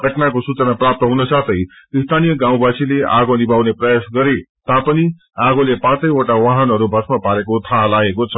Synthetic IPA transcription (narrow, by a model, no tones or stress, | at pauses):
ɡʱʌʈnakosut͡sʌnaprap̚t̪ʌɦunʌsat̪ʰʌj | ist̪ʰanijʌɡãw̃basileʔaɡonibʱawneprʌjasɡʌɾet̪apʌni | aɡolepãt͡sʌjoʈawaɦʌnʌɾubʱʌsmapaɾekot̪ʰalaɡekot͡sʰʌ